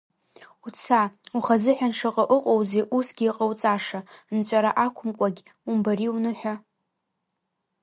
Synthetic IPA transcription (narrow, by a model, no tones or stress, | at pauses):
ut͡sʰauχazɨħʷᶣanʂaqʼaʔʊqʼowzejʔusɡʲiːqʼawt͡sʼaʂant͡ɕʷʼaɾaʔakʷʰʊmkʷʼaɡʲ | umbaɾiunɨħʷᶣa